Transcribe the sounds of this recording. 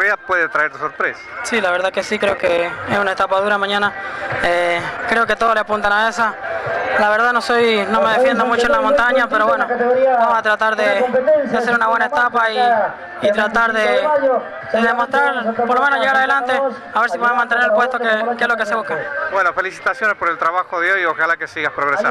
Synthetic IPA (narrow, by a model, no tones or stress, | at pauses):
eapweðet̪ɾaeɾt̪soɾpɾesḁsilaβe̞ɾðake̞sikɾeokeesunaest̪apaðuɾamãɲãnaekɾe̞oket̪o̞ðoleapunt̪anaesalaβe̞ɾðanosojnomeðefjend̪omut͡ʃoenlamont̪aɲapeɾowenobamosat̪ɾat̪aɾðed̪ease̞ɾunaβwe̞naet̪apaiː | t̪ɾat̪aɾðe | d̪eðemost̪ɾaɾppoɾlome̞noʝe̞ɣaɾaðelant̪e̞ | aβeɾs̬ipwoemant̪eneɾelpwe̞st̪okekezlokeseβukabwenofelisi̥t̪asjonespoɾelt̪ɾaβaxoðeojoxalakesiɣaspɾoɣɾea